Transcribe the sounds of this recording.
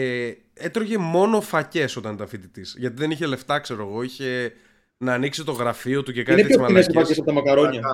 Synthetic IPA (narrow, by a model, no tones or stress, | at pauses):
et̪ɾoʝe̞mo̞no̞fɐce̞so̞t̪ɐnt̪ɐfit̪it̪isʝɐt̪iðe̞niçele̞ft̪ɐkse̞ɾo̞eɣo̞içe̞ | nɐːniksit̪o̞ɣɾɐfio̞t̪uce̞kɐnineeomɐmesifɐcesɐpot̪ɐmɐkɐɾoɲɐ